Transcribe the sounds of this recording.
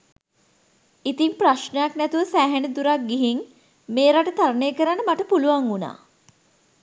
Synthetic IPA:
it̪impraʃnəjaknæt̪uʋəsæːɦænəd̪uɾak̚ɡiɦiŋ | meːɾaʈət̪aɾəneːkəɾanːəmaʈəpuluʋaŋuna̰ː

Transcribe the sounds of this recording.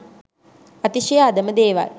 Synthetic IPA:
ɐt̪iʃijaːd̪əməd̪eːʋa̰l

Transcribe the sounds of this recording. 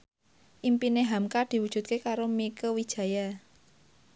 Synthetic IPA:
ʔimpineɦamkad̪̥i̤wud̥ʒ̥ṳt̪̚kekaɾomikəwid̥ʒ̥ä̤ja

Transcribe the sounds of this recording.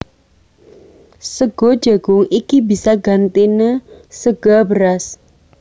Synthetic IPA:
səɡ̥o̥d͡ʒaɡ̥ʊŋikibisaɡant̪inəsəɡ̥abəɾas

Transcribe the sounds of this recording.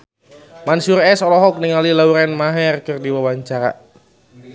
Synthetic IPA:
mansurɛsɔlɔɦɔk̚niŋalilauɾɛnmaɦɛrkɨrdiwawaɲt͡ʃaɾa̰

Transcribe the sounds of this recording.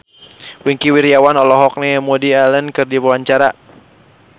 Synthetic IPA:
wiŋkiwiɾiawanɔlɔɦɔk̚nɛmodialənkɨrdiwwaɲt͡ʃaɾa

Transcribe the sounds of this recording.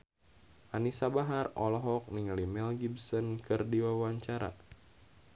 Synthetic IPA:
ʔanisabaɦarɔlɔɦɔk̚niŋalimɛlɡibsɔnkɨrdiwawaɲt͡ʃaɾa̰

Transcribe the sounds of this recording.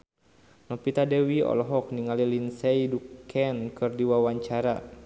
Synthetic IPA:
nɔpit̪adɛwiɔ̰lɔɦɔk̚niŋalilinsɛidukʰɛnkɨrdiwawaɲt͡ʃaɾa

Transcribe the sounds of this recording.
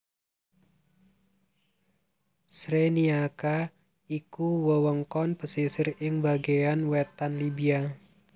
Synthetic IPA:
sɾeniaka | ikuwəwəŋkɔnpəsisəɾɪŋbaɡeanwɛt̪anlibia

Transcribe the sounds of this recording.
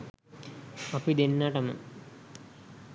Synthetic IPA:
ɐpid̪enːaːʈɐmɐ̰

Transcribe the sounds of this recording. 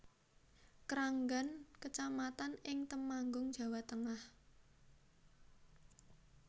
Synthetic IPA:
kɾaŋɡankət͡ʃamat̪anɪŋt̪əmaŋɡʊŋd̥ʒ̥ä̤wat̪əŋah

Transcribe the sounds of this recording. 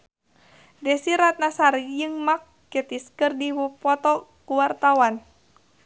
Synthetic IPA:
dɛsiɾat̪̚nasaɾjɨŋmak̚ːət̪iskɨrdiwupɔt̪ɔkuwart̪awan

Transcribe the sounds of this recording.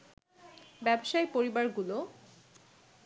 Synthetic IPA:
bɛboʃajpoɾibaɾɡulo

